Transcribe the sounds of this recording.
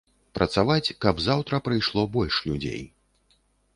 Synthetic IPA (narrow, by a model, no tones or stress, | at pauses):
pɾʔɐt̪savat͡sʲkɐbzawt̪ɾɐpɾɨjʂlˠɔbɔlʲʂlʲud͡zʲḛj